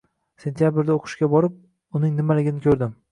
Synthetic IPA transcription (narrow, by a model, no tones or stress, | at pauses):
sent̪ʰijabɪɾd̪aoqʰɨ̥ʃkʲabɒɾɪp̚ | ʊnɪŋnɪmalɪɡʲɪnɪkʲʰɵɾd̪ɪm